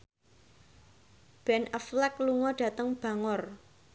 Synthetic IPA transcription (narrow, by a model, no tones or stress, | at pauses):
b̥ɛnəflɛkluŋɔɖ̥ä̤t̪əŋb̥ä̤ŋʊr